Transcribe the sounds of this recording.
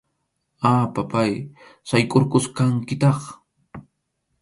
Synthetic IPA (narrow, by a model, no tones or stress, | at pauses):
apapajsajkʼoɾkʊskaŋkɪt̪ɑχ